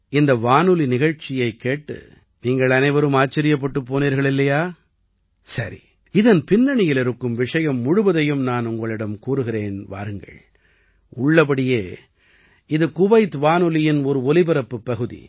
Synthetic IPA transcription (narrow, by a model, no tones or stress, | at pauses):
ɪnd̪ɐʋaːnɯlinɪɣɐɻt͡ʃːɪjɐɪkːeːʈːɯ̰ | niːŋɡɐɭɐnɐɪʋɐɾɯmaːt͡ʃːɐɾɪjɐp̬ːɐʈːɯpːoːniːɾɣɐɭɪlːɐjaː | sɐɾḭ | ɪðɐnpɪnːɐɳɪjɪlɪɾɯkːɯmʋɪʂɐjɐmːʊɽʊʋɐðɐjɯmnaːnʊŋɡɐɭɪɽɐmkuːɾɯɣɪɾeːnʋa̰ːɾɯŋɡɐ̰ɭ | ʊɭːɐp̬ɐɽɪjeː | ɪðɯkʊʋɐɪt̪ʋaːnɯlɪjɪnɔɾɯɔlɪbɐɾɐpːɯpːɐɣɯðḭ